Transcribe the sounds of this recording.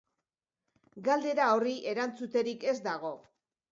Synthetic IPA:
ɡald̪e̞ɾao̞riʔe̞ɾant͡sut̪e̞ɾike̞zd̪aɣ̞o̞

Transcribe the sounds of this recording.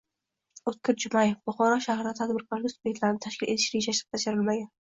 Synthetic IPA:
ot̪̚kʲʰɪɾd͡ʒʊmajefbʊχɒɾɒʃahɾɪd̪at̪ʰad̪bɪɾkʰɒɾɡʲasʊ̥bet̪laɾnɪt̪ʰaʃkʲɪlʔe̞t̪ʰɪʃɾed͡ʒaʃɾɪ̥q̚t̪ʰaʃaɾɪlmaɡʲan

